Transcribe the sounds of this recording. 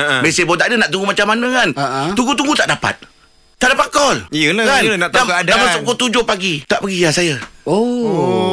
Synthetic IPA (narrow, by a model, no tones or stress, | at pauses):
əbesəbot̪aʔadənaʔt̪uŋɡumat͡ʃamːanə̃kant̪uŋɡut̪uŋɡut̪aʔdapa̰t̪̚ | t̪aʔdapat̪̚kɔlijəlakannatd̪akadamasʊʔkːot̪ud͡ʒohpaɡit̪aʔpəɡijasajəo